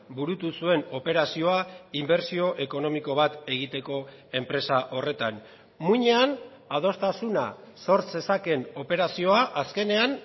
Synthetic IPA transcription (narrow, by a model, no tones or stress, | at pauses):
buɾut̪usue̞no̞pe̞ɾasio̞aimbe̞ɾsio̞ʔe̞ko̞no̞miko̞β̞at̪e̞ɣ̞it̪e̞ko̞e̞mpɾe̞saʔo̞re̞t̪an | muɲe̞an | að̞o̞st̪asuna̰so̞ɾt͡se̞sake̞no̞pe̞ɾasio̞aʔaske̞ne̞an